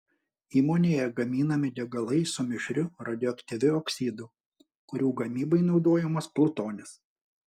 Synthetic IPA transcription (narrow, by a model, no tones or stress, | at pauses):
iːmoːnʲeːjɛɡɐmʲiːnɐmʲɪd̪ʲɛɡɐlˠɐɪsʊmʲɪʃʲɾʲʊɾɐd̪ʲɪjɔɐkt̪ʲɪʋʲɪoːksʲiːd̪ʊ | kʊɾʲuːɡɐmʲiːbɐɪnɒʊd̪oːjɛmɐsplˠʊt̪oːnʲɪs